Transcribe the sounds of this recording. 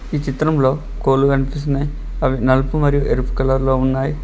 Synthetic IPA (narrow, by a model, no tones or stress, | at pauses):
iːt͡ʃit̪ɾɐmlo̞ː | koːluɡɐnipist̪inɐji | ɐʋinɐlpumɐɾijuʔeɾpu̥kɐlɐɾlo̞ːunːaːji